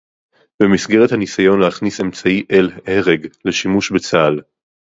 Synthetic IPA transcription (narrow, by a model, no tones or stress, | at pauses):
bemisɡeʁethanisajo̞nleaχnise̞mt͡saiʔeleʁeɡle̞ʃimuʃbet͡saːl